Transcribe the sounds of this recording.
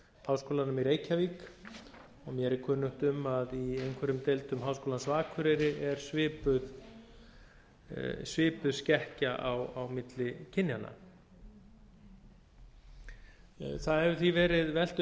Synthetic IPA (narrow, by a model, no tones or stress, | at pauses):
hawskoːlanʏmiɾeːjcʰaviːk | ɔɣmjɛɛɾɪkʰœːnʏht̪ʏmaðiejŋkʰvɛɾʏmt̪ejlt̪ʏmɦawskoːlansvaːkʰʏɾɛjɾɪʔɛɾ̥svɪːpʏð | svɪːpʏðscɛhcaʔawawmɪt̪lɪcʰɪnjana̰ | θaðhɛvʏθvivɛːɾɪðvɛl̥t̪